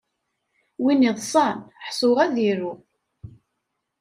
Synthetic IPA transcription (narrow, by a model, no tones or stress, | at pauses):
winiðˤsˤɑnħsˤʊʁæðiɾu